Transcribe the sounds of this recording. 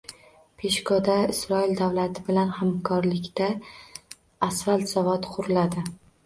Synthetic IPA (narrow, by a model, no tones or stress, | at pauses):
pʰe̞ʃkʰod̪aɪsɾɒɪld̪awlat̪ʰɪbɪlanhamkʰɒɾlɪkʲt̪a | svalˠt̪savɒt̪qʰʊɾlad̪ɪ